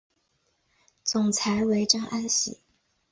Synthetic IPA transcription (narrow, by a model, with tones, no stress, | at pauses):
t͡sʊ˨˩ŋt͡sʰa˧˥ɪwe˧˥ɪʈ͡ʂɑ˥ŋʔa˥nɕḭ˨˩˦